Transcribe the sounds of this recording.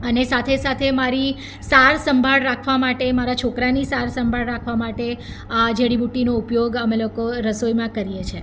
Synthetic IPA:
ənesat̪ʰesat̪ʰemaɾi | saɾsəmbʱaɭɾakʰʋamaʈemaɾat͡ʃʰokɾanisaɾsəmbʱaɭɾakʰʋamaʈe | d͡ʒeɽibuʈinoupjoɡəmelokoɾəsojmãkəɾijet͡ʃʰe

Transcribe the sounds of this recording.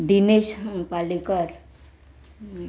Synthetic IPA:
ɖineʃpalikəɾ

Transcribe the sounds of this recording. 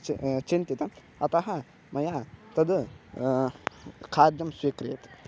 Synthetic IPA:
t͡ʃint̪it̪ɐ | ɐt̪ɐɦɐ | mɐjaːt̪ɐd̪ɨ | kʰaːd̪jɐmswikɾḛːt̪

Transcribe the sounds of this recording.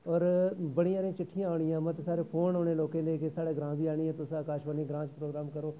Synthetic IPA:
ɔːɾbəɽĩːãːɾiãːt͡ʃɪʈʰːijãːoːɳɪjãːmət̪saːɾeːpʰoːnoːneːloːkẽːleːkesaːɽeːɡɾãːbiːaːɳiːɛ̃ːt̪ʊsãːkaːʃʋəniːɡɾãːt͡ʃpɾoːɡɾaːmkəɾoː

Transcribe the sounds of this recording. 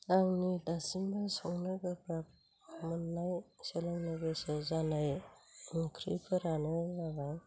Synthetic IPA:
aŋnidasimbasɔŋnɯɡakʰap̚ | mɯnːajselaŋnɯɡesɯzanaj | kʰɾḭpʰɯɾanɯaɡaj

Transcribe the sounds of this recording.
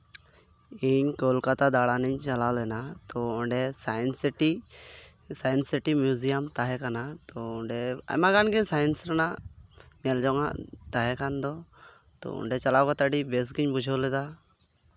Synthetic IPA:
iɲkolkat̪ad̪aɽaniɲt͡ʃalawlɛnat̪ɔɔɳɖɛsajnsʈi | sajnsiʈimjuzijamt̪aɦɛkanat̪ɔɔɳɖɛa̰jmaɡanɡiɲsajɛnsɾɛnaʔɲɛld͡ʒɔŋa̰ʔt̪aɦɛkand̪ɔ | t̪ɔ̰ɔ̰ɳɖɛt͡ʃalawkat̪aɖibes̬ɡiɲbud͡ʒʱɔlɛd̪a

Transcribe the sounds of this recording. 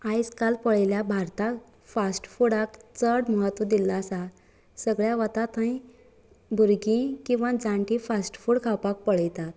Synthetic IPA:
ajd͡zkalpəɭeljabʱaɾt̪ak | fasʈfuɽakt͡səɽməɦət̪ʋəd̪ilːaːsa | səɡɭjaʋət̪at̪ãĩ | bʱuɾɡĩkĩw̃ʋãd͡zãɳʈĩfasʈfuɽkʰawpak̚pəɭəjt̪at̪

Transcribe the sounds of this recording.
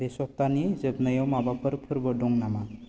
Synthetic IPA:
desɔkt̪anizəbnəjɔmabapəɾpʰəɾbəɖoŋnama

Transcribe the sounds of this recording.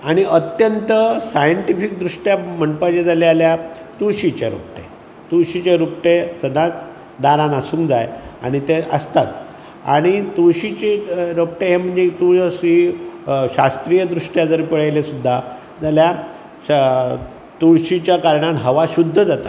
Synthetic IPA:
aɽ̃iʔət̪jənt̪əsajəɳʈifik̚d̪ɾuʂʈjam̤əɳpəd͡ʑed͡zalealja | t̪uɭɕit͡ɕeɾṵp̚ʈḛ | t̪uɭɕit͡ɕeɾupʈesəd̪ãt͡s | d̪aɾãnasũŋkd͡zaja̰ɽ̃it̪eəst̪at͡s | a̰ɽ̃it̪uɭɕit͡ɕeɾop̚ʈeɦem̤əɳd͡zet̪uəsi | ɕast̪ɾijəd̪ɾuʂʈjad͡zəɾpiɭajlesud̪ʱːa | d͡zalja | t̪uɭɕit͡ɕjakaɾɳãt̪ɦəʋaɕud̪ʱːəd͡zat̪a̰

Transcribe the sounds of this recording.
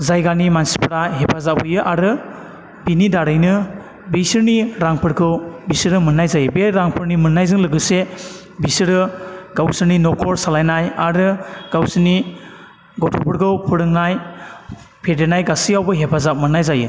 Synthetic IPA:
zajɡanimansi̥pʰɾaɦepʰazap̚ujɯʔaɾɯ | binidaɾɯjnɯ | bisɯɾniɾaŋpʰɯɾkʰɯwbisɯɾɯmɯnːajzajɯbeɾaŋpʰɯɾnimɯnːajzɯŋlɯɡɯse | bisɯɾɯɡ̥awsɯɾninɔkʰɔɾsalajnajaɾɯɡ̥awsɯni | ɡɔtʰɔpʰɯɾkʰɯwpʰɯɾɯŋnaj | pʰedenajɡasijawbɯɦepʰazap̚mɯnːajzajɯ̰

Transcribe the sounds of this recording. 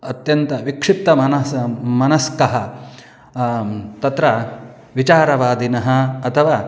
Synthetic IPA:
ɐt̪jɐnt̪ɐʋikʂit̪ːɐmɐnɐmɐnɐskɐɦɐ | t̪ɐt̪ɾɐ | ʋit͡ʃaːɾɐʋaːd̪inɐɦɐ̆ːt̪ʰɐʋaː

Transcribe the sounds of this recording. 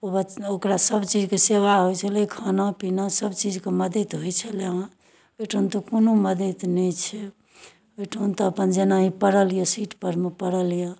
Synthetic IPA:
obaokɾasəbt͡ʃid͡ʒkeseʋaɦojt͡ʃʰəlekʰanapinasəbt͡ʃid͡ʒkeməd̪it̪ɦojt͡ʃʰəleã | eʈʰont̪ɔkonoməd̪it̪nɛjt͡ʃʰɛ | eʈʰont̪ɔəpənd͡ʒenaĩpəɽəlijəsiʈpəɾmepəɾəlijə

